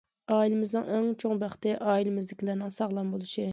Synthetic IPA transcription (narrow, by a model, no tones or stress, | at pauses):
ɑːilɪmɪznɪ̰ŋæŋt͡ʃʰoŋbæχt̪ɪʔɑːilɪmɪzlɪkʲʰilæɾnɪŋsɑʁlˠɑmbolˠuʃi